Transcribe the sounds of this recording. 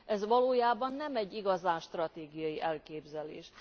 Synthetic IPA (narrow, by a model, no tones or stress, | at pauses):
ʔɛzʋɒloːjaːbɒnːɛmɛɟːiɡɒzaːnʃt̪rɒt̪eːɡijɒjiʔɛlkeːbzɛlḛːʃ